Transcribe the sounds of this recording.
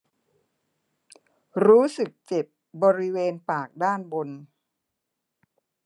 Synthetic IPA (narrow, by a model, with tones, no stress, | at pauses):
ɾuː˦˥sɯ˨˩k̚t͡ɕe˨˩p̚ | bɔː˧ɾi˦˥weː˧npaː˨˩k̚daː˥˩nbo˧n